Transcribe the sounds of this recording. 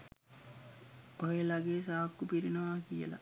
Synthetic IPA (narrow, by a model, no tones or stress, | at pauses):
oɦelɐɡeːsaːkːupiɾinɐʋaːkijə̰la̰